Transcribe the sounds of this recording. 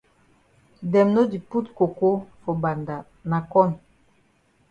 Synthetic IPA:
dɛ˨mno˦di˨pu˦tko˨ko˦fɔ˨ba˨nda˨ | na˨kɔ˦n

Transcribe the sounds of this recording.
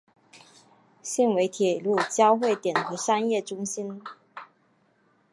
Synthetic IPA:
ɕi˥˩nwe˧˥ɪt̪ʰjɛ˨˩lu˥˩t͡ɕjɑ˥ʊxwe˥˩ɪt̪jɛ˨˩nxɤ˧˥ʂa˥njɛ˥˩ʈ͡ʂʊ˥ŋɕi˥n

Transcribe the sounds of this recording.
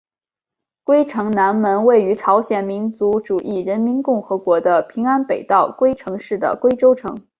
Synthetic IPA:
kwe˥ɪʈ͡ʂʰɤ˧˥ŋna˧˥nmə˧˥nwe˥˩ɪy˧˥ʈ͡ʂʰɑ˧˥ʊɕjɛ˨˩nmi˧˥nt͡su˧˥ʈ͡ʂu˨˩ʔi˥˩ɻə˧˥nmi˧˥nkʊ˥˩ŋxɤ˧˥kwɔ˧˥d̪ə˧pʰi˧˥ŋa˥npe˨˩ɪt̪ɑ˥˩ʊkwe˥ɪʈ͡ʂʰɤ˧˥ŋʂɻ̩˥˩d̪ə̰˩kwe˥ɪʈ͡ʂo˥ʊʈ͡ʂʰɤ̰˧˥ŋ

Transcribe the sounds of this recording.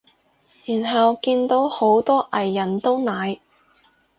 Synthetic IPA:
jyː˨˩nɦɐ˨wkiː˧nt̪o˨˥who˨˥wt̪ɔː˥ʔɐ˨˩jːɐ˨˩nt̪o˥wnaː˨˧j

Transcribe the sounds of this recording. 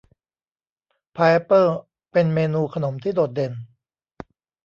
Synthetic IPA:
pʰaː˧ʔe˦˥pːɤː˥˩ | pe˧nmeː˧nuː˧kʰa˧no˩˦mt̪ʰiː˥˩doː˨˩t̪̚de˧n

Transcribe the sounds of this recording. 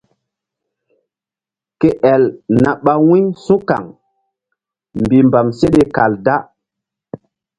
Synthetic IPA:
ke˦ʔɛ˨lna˨ɓa˦wĩ˦ɲsũ˦ka̰˨ŋ | mbi˨mba˨mse˦ɗe˨ka˨lda˦

